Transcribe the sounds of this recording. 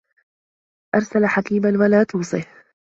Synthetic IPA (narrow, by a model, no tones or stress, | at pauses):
ʔɑɾˤsalħakiːmanwalaːt̪uːsˤɨh